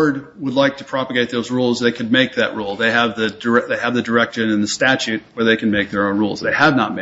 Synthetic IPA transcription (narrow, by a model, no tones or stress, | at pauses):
ɹd̚ | wədˡlaɪk̚tʰɨpʰɹ̥ɑpəɡeɪt̪̚ðoʊzɹulˠzðeɪkʰɨd̚meɪk̚ðɨ̰ʔ̚ɹulˠðeɪəvðɨdə˞ɛðeɪɨvðɨdə˞ɛkʃɨ̃nɨ̃nðɨstæt͡ʃʉt̚wə˞ðeɪkʰɨ̃n̩meɪk̚ðə˞õʊ̃nɹṵlˠzðeɪədⁿnət̚me